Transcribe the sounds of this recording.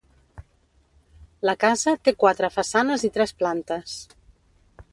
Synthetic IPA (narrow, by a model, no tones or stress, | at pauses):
ləkazət̪ekwat̪ɾəfasanəzit̪ɾɛsplant̪əs